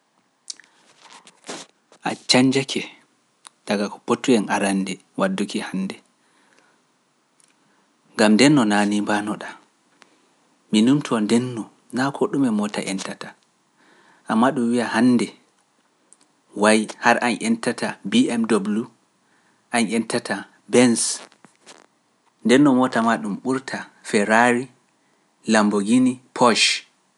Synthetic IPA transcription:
ʔa̰t͡ʃaɲd͡ʒakʰɛ | d̥aɡakɔ̥potːujɛnaɾandɛ | wadːukihanːdɛ | ŋɡamndɛnːɔnanimbanɔɗa | minumtʰɔndɛnːɔ | nakʰɔɗumɛmɔta̰ʔɛntatḁ | ʔamːaɗumwijahanːdɛ | wajhaɾʔanʔɛntatabiɛmdobulu | ʔanɛntatʰa | bɛns | ndɛnːɔmɔtamaɗumɓuɾtʰafɛɾaɾi | lamboɡinipʰɔʃ

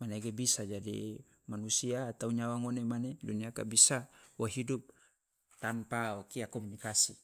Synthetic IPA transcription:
maneɡebisad͡ʒadḭ | manusiaːt̪auɲawaŋonemaneduniaka̰bisawaɦidup̚ | t̪anpaokiakɔmunikasḭ

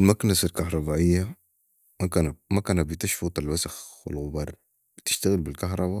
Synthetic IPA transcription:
lmaknasalkahɾˤɑbaːʔɪjːa | makaːnmakaːnat̪̚bɪt̪aʃfut̪ˤalwasaxwɪ̰lɣʊbɑːɾˤ | bɪt̪ɪ̥ʃt̪aɣɪlbilkaɦɾˤɑba

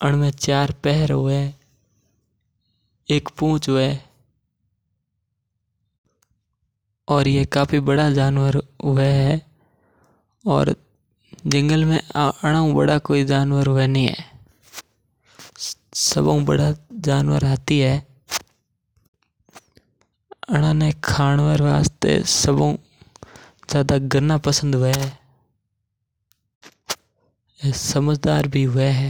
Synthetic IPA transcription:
əɽ̃mẽt͡ʃaːɾpɛɦɾɦʊe | eːkpõːt͡ʃɦʊɛ | ɔːɾjekaːpʰibəɽad͡ʒaːnwəɾɦʊɛɦɛ | ɔ̰ːɾ | d͡ʒɪ̃ŋɡəlmẽəɽ̃aũbə̰ɽakoːid͡ʒaːnwəɾɦʊɛnĩɦɛ̰ː | səbõbəɽad͡ʒaːnʋə̰ɾɦaːt̪iɦɛː | əɽ̃ãnekʰaːnʋəɾʋaːst̪ḛsəbõ̰ː | zjaːd̪aɡəɾnapəsə̃nd̪ɦʊɛɦɛː | eːsəməd͡ʒd̪aːɾbʱiɦʊɛɦɛː

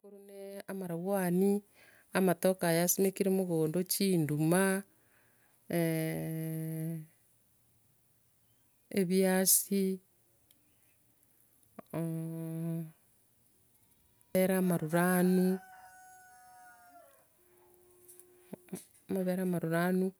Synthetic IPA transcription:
kuɾuneamaɾaɣwani | amatokajasemekiɾemuɣoːndot͡ʃiːnduma | eβjasi | eɾamaɾuɾanu | maβeɾamaɾuɾanu

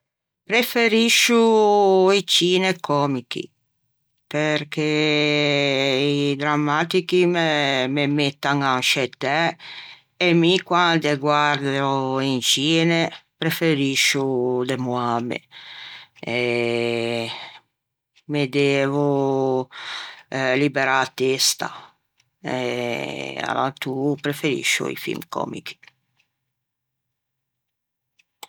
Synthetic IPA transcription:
pɾefeɾiʃːu | it͡ʃiːnekʰːɔːmikḭ | perke | id̪ɾamːaːt̪ikimememet̪ːaŋanʃet̪ːɛː | mikwand̪eɡwaɾd̪oint͡ʃiːnepɾefeɾiʃːud̪emuabḛ | ɛ | med̪eːvu | libeɾat̪ːest̪a̰ | e | a̰lat̪upɾefeɾḭʃːṵḭfḭlmkɔ̰ːmḭki̥

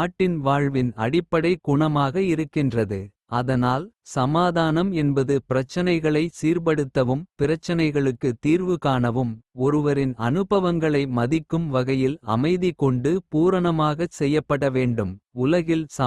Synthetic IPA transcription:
ʈːɪnʋaːɻʋɪnɐ̰ɽɪpːɐɽɐɪkʊɳɐmaːɣɐɪɾɯkːɪndrɐðɯ | ɐðɐnaːlsɐmaːðaːnɐmɛnbɐðɯpɪɾɐt͡ʃːɐnɐɪɣɐɭɐɪsiːɾpɐɽɯt̪ːɐʋɯmpɪɾɐt͡ʃːɐnɐɪɣɐɭɯkːɯt̪iːɾʋɯkaːɳɐʋɯmɔɾɯʋɐɾɪnɐ̰nɯbɐʋɐŋɡɐɭɐɪmɐðɪkːɯmʋɐɣɐjɪlɐ̰mɐɪðɪkːɔɳɖɯpuːɾɐɳɐmaːɣɐsɛjːɐpːɐɽɐʋeːɳɖɯmʊlɐɣɪlsɐ

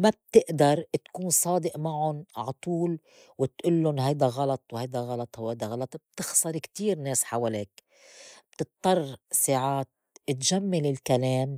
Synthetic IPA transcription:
mab̚t̪ɪʔd̪ɑɾˤt̪kuːnsˤɑːd̪ɪʔmaʕʊnʕat̪ˤuːl | wɪt̪ʔʊlːʊnɦajd̪aɣɑlɑt̪ˤwhajd̪aɣɑlɑt̪ˤhwhajd̪aɣɑlɑt̪ˤb̥̚t̪ɪxsˤɑɾˤkt̪iːɾneːsħawaleːk | b̥t̪ɨt̪̚t̪ˤːɑrˤːsaːʕaːt̪̚ʔɪt̪ʒamːalɪlkaleːm

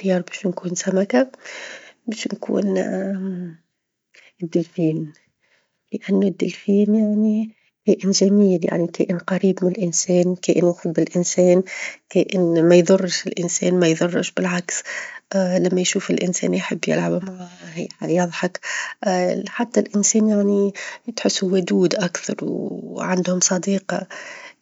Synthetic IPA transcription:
jɑːɾˤbɛːʃnkuːnsæmaka | bɛːʃnkṵːn | ɪd̪ːɪlfiːn | ləʔanːʊd̪ːɪlfiːnjaʕni | kæːʔɪnʒæmiːlja̰ʕnikæ̰ːʔɪnqɑɾiːbmɪnɪlʔɪnsɛːnkæːʔɪnwuxʊd̪bɪlʔɪnsɛːnkeːʔɪnmajðʊrˤːʃɪlʔɪnsɛ̰ːnmajðʊrˤːɪʃbɪlʕaksʔlamːajʃuːfɪlʔɪnsɛ̰ːnjħɪbːjɪ̰lʕabmaʕahajɑðˤħɑk | ħat̪ːalʔɪnsɛːnjaʕnijt̪ħʊsːuwʊd̪uːd̪ʔakθɑ̰ɾˤwʕand̪hʊmsˤɑd̪iːqɑ̰

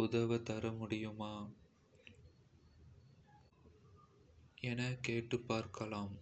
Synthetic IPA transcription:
ʊðɐʋɐt̪ɐɾɐmʊɽɪjɯmaː | ɛnɐkeːʈːɯpːaːɾkɐlaːm

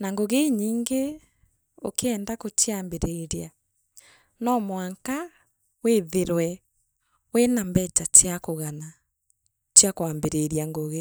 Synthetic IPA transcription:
naŋɡoɣeiɲiːŋɡe | o̰keɛndakotiambeɾeɾja | nɔmwaŋka | weðeɾwɛ | wenambɛtatjakoɣana | t͡ʃjakwaːmbeɾeɾjaŋɡoɣe

